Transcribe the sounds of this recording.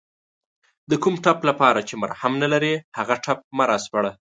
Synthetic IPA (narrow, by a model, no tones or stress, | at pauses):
d̪əkumʈaplapɑɾat͡ʃema̰ɾhamnalaɾehaɣaʈap̚maɾaspaɽa